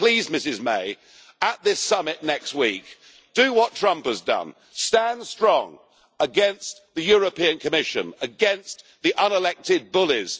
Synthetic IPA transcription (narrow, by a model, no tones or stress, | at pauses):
pʰl̥izmɪsɪzmḛɪ | əʔ̪̚ðɪsʌmɪʔⁿnɛkst̚wik | d̥ɨwɒtʰɹ̥ʌ̃mpəzdʌ̰̃n | stæ̃nd̥stɹ̥ɔ̰̃ŋ | əɡɛ̃nsðɨjɔɹəpĩɨ̃nkʰɨmɪʃɨ̰̃nəɡɛ̃ns | ðiʔʌ̃nəlɛk̚tɪd̚bʊlɪz̥